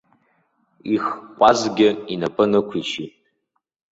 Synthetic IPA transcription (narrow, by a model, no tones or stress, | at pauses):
iχkʷʼazɡʲɪinapʼɨnɨkʷʰit͡ʃʰitʼ